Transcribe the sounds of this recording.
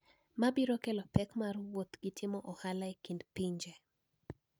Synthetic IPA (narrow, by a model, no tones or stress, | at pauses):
mabiɾokɛlɔpɛkmarwot̪ɡ̥itʰɪmɔʔɔhalaikindpiɲd͡ʒɛ